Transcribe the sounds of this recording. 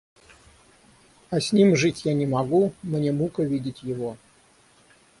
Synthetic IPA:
ɐsʲnʲimʐɨtʲjanʲɪmɐɡumnʲemukəvʲidʲɪtʲjɪvo

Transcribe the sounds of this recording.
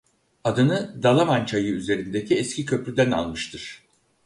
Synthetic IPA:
ad̪ɯnɯd̪alˠamant͡ʃʰajɯyze̞ɾind̪ecʰiɛscʲicʰø̞plʲyd̪æna̰lˠmɯʃt̪ʰɯɾ̥

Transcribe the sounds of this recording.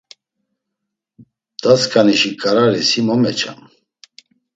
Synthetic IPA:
d̪̥askʰaniʃikʼaɾaɾisimɔmɛt͡ʃʰa̰m

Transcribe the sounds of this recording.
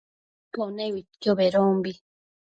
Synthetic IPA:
ponewit̪kjoβeɾombi

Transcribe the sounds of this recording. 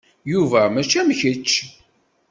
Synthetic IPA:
juvæmæt͡ʃːæmçət͡ʃː

